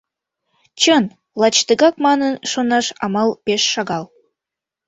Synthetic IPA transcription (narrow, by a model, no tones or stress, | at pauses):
t͡ɕən | lˠɑt͡ɕt̪əɣɑk̚mɑnənʃonɑʃɑ̰mɑlˠpeʃːɑɣɑl